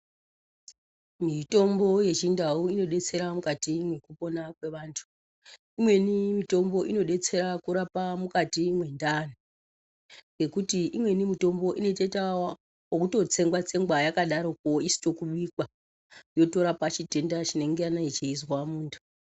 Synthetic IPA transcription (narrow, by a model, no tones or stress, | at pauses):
mito̞mbo̞je̞t͡ʃindauino̞ɗe̞t͡se̞ɾamukatimwe̞kupo̞nakwe̞ʋaːntʰu̥ | imwe̞nimito̞mbo̞ʔino̞ɗe̞t͡se̞ɾakuɾapamukatimwe̞ndano | ŋɡe̞kutiʔimwe̞nimito̞mbo̞ʔine̞tetawa | okuto̞t͡se̞ŋɡwat͡se̞ŋɡwajakaɗaɾo̞k̚oisi̥to̞kuɓikwa | jo̞to̞ɾapat͡ʃite̞ndat͡ʃine̞ŋɡe̞anait͡ʃeizwamuːntʰu̥